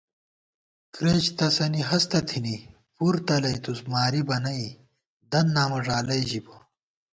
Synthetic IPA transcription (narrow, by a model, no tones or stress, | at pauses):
kɾeːt͡ɕt̪ɐsɐniɦɐst̪ɐt̪ʰini | puɾt̪ɐlɐjt̪usmaːɾibɐnɐi | d̪ɐnːaːmɐʐaːlɐjʑibo